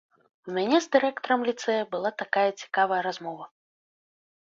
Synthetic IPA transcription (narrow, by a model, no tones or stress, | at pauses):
umʲanʲɛzd̪ɨɾɛkt̪ɔɾɐmlʲit̪sɛjɐbɨlˠat̪akajɐt͡sʲi̥kavɐjɐɾazmɔvɐ